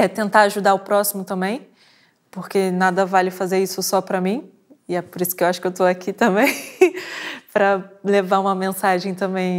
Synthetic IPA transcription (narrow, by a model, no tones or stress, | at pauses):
ɛt̪ẽnt̪aaʒud̪aʊpɾɔsimʊt̪ɐ̃mbẽj̃ | poɾkenad̪ɐvalɪfazeɾisʊsɔpɾɐmĩ | ɪɛpoɾisʊ̥kɪewaʃʊkewt̪oakit̪ɐ̃bẽj̃ | pɾɐlevaɾũmɐmẽsaʒẽj̃t̪ɐ̃mbẽj̃